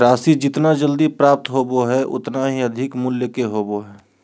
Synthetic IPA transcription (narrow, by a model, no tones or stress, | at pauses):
ɾaːsid͡ʒɪt̪nad͡ʒəld̪ipɾaːp̚t̪ɦoːboɦɛʔʊ̰t̪naɦiəd̪ʱɪkmʊljəkeɦoːboɦɛː